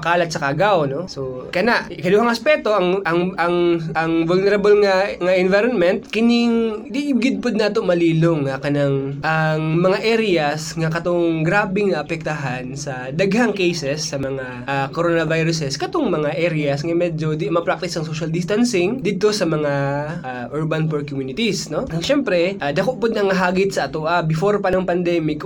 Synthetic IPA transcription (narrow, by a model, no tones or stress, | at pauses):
pɐkaːlɐt̪̚sɐkaɡawno̞sokɐnaʔkɐd̪uhɐŋɐspɛt̪o̞ʔɐŋʔɐŋʔɐŋʔɐŋvʊlnɛɾɐbolŋɐŋɐʔɪnvajɾonmɛnt̪̚kɪniŋd̪iʔɪbɡɪd̪̚pod̪̚naːt̪oʔmɐliːloŋɐkɐnaŋʔɐŋmɐŋaʔɛɾɪɐsŋɐkɐt̪oŋɡɾaːbɪŋnɐʔɐpɛk̚t̪ɐɦansɐ | d̪ɐɡhaŋkɛjsɛsːɐmɐŋa | ʔakoɾonɐvajɾʊsɛskɐt̪oŋmɐŋaʔɛɾɪɐsŋɐmɛːd͡ʒo̞d̪imɐpɾak̚t̪ɪsɐŋsoʃɐld̪ɪst̪ansɪŋd̪id̪̚t̪o̞sɐmɐŋaʔaʔuɹbɐnfɔɹkʊmjunɪt̪isno̞ɐŋʃɛmpɾɛʔad̪ɐkoʔpod̪nɐŋːɐɦaːɡɪt̪sɐʔɐt̪oʔabɪfoɾpɐnɐŋpɐnd̪ɛːmɪk